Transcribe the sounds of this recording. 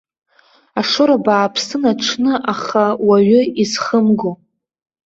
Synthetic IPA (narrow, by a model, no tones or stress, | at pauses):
aʂʊɾabaːpʰsɨnaʈ͡ʂʰnɨʔaχawaɥʏizχəmɡo